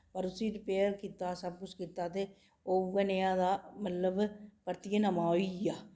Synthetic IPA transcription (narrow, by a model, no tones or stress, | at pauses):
pəɾʊsiːɾɪpeːəɾkiːt̪aːsəb̚kʊt͡ʃʰkiːt̪aːt̪eː | oːənejãːd̪aːmət̪ləbpəɾt̪ijənəmaːoijaː